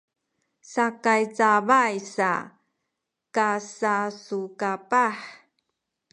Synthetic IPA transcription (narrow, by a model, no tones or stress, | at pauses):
sakajt͡savajsa̰ | kasasukapaħ